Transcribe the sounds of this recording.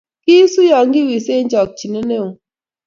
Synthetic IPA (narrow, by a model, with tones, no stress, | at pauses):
ki˦su˦jɔ˨ŋ˦ɡi˦wi˨se˦ɲ˦d͡ʒɔ˨k̚t͡ʃi˨ne˦ne˦o˨